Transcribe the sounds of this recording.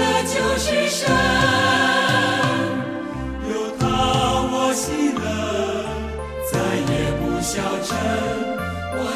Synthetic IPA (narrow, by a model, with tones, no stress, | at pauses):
ə˧t͡ɕjo˧˥ʊʂɻ̩˧ʂə˧˥ | jo˨˩ʊt̪ʰɑ˥wɔ˧˦ɕi˥ŋd̪ə˧˩ | t͡sa˧˥ɪjɛ˨˩pu˧˩ɕjɑ˩ʊʈ͡ʂʰə˧n | wɔ˨˩